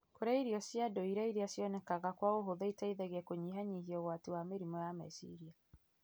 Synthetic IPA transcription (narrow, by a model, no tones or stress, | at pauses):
koɾaiɾiɔsjadɔiɾaiɾiasjɔnɛkaɣakwaoɦoðaitaiðɛɣɛkoɲiɦaɲiɦiɔwaːtuwameɾimɔjama̰sḭɾia